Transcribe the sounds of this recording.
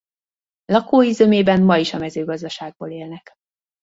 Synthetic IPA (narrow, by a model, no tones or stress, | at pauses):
lɒkoːizømeːbɛnmɒiʃɒmɛzøːɡɒzd̪ɒʃaːɡ̚boːleːlnɛk